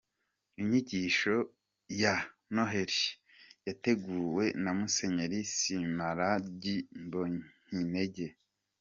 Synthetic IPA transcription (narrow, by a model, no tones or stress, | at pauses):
iɲiɟiʃo̞ | ja | noɦe̞ɾi | jate̞ɡuːwe̞namuse̞ɲeɾisimaɾaɟimboɲ̥ineɟe̞